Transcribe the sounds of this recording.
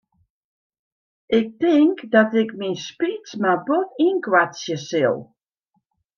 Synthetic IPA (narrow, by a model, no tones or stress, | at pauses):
ʔɪk̚tɪŋkdɔtɪkminspit͡smabotinkwasjəsɪlˠ